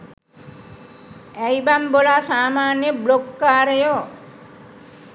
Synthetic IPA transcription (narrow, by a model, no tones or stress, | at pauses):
ɛjbambolasaːmaːnjeblokːaːɾejo